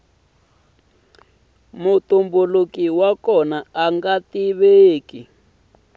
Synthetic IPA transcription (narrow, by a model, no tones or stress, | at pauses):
mutumbulukiwakɔnaaŋɡatiβeːki